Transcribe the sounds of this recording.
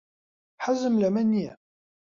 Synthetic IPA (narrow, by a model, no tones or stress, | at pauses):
ħazːəmlæmænːiæ